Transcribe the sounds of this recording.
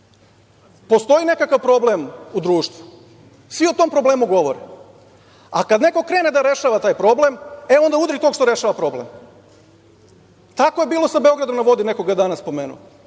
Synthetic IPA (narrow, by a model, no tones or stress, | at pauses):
po̞st̪o̞ine̞kakaʋpɾo̞blemud̪ɾuːʃt̪ʋu̥ | sʋiot̪o̞mpɾo̞ble̞ːmuɡo̞ʋo̞̰ɾe | a̰kad̪ne̞ko̞kɾe̞ːne̞d̪aɾe̞ʃaːʋat̪aːjpɾo̞blemeo̞nd̪aud̪ɾit̪oɡʃt̪o̞ɾe̞ʃaːʋapɾo̞blḛm | t̪ako̞jebiːlo̞sabeo̞ɡɾad̪omnaʋo̞d̪ine̞koɡad̪anaspo̞meːnṵ